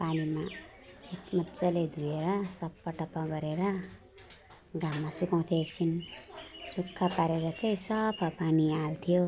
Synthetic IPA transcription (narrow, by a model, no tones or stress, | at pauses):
panima | ekmʌtːt͡sʌled̪ʱujeɾʌsʌbpʌʈʌpːʌɡʌɾeɾʌ | ɡammːasukaw̃t̪ʰek̚t͡sʰin | sukʰːapaɾeɾʌt̪ʰejsʌpʰapanialt̪ʰijo